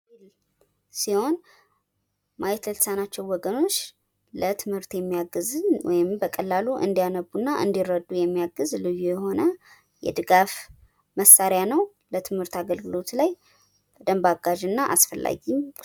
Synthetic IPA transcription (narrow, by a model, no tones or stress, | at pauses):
l | siho̞n | majɛt̪ləlsanat͡ʃːɛwwɔɡəno̞t͡ʃː | lət̪ʰɨmhɨɾt̪jɛmːijaɡɨzɨnwɔ̰jɪmbəkʼəlːaluʔɨ̰nd̪ijanəbːunːaʔɨ̰nd̪irːəd̪ːujɛmːijaɡɨzlɨjːujɛho̞nə | jɛ̰d̪ɨɡaf | məsaɾɪjanəw | lət̪ʰɨmhɨɾt̪aɡəlɡɨlo̞t̪laj | b̥əd̪əmbaɡaʒɨnːaʔa̰sfəlːa̰ɡiɲ